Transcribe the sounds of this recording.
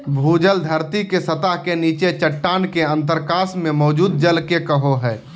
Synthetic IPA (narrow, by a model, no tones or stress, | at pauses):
bʱuːd͡ʒəld̪ʱəɾt̪ikesət̪aɦkeniːt͡ʃet͡ʃəʈːaːnkeə̃nt̪əɾkaːsmẽmɔːd͡ʒuːd̪̚d͡ʒəlkekəɦoɦɛː